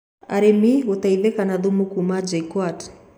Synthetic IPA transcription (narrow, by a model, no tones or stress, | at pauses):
a̰ɾemiut̪aivɛkanaðumukumad͡ʒajkwat